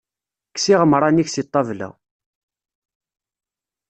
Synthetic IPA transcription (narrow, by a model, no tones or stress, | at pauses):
kːsiʁəmɾˤɑniçsit̪ˤːɑvlæ̰